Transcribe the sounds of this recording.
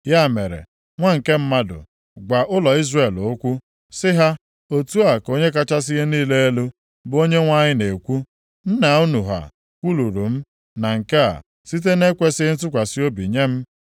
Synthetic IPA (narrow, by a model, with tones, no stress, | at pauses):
ja˦˨me˨ɾḛ˨ | ŋʷa˦ŋ̩˨ke˦m̩˦ma˦dʊ̰˨ | ɡʷa˨ʔʊ˦lɔ˨i˦zre˨lʊ˨˦kʷʊ˦ | sɪ˦ɦa˦ | o˦tu˦a˨ko˦ɲe˦k̬a˦t͡ʃa˦s̬ɪ˦ɣe˦niː˦le˦e˦lu˦ | bo˦ɲe˦ŋʷa˦ɲɪ˦ne˨kʷu˦ | n̩˦na˨u˦nu˨ɦa̰˨ | kʷu˦lu˨ɾu˨m̩˦ | na˨ŋ̩˨ke˦a̰˨ | si˦t̬e˦ne˦kʷe˦sɪ˦n̩˦t̬ʊ˦kʷa˨si˦o˦bi˨ɲe˦m̩˦